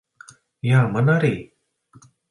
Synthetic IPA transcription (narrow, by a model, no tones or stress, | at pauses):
jamanaɾi